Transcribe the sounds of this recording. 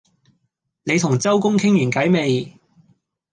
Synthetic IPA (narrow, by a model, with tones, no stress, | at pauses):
ne˨˧jt̪ʰʊ˨˩ŋt͡sɐ˥wkʊ˥ŋkʰɪ˥ŋjyː˨˩nkɐ˨˥jme˨˧j